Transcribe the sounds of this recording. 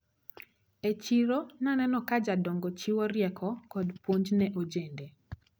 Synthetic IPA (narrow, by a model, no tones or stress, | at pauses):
et͡ʃiɾonanɛnɔkad͡ʒadɔŋɡɔt͡ʃiwɔɾjɛkʰɔkɔdpoɲd͡ʒnɛʔod͡ʒende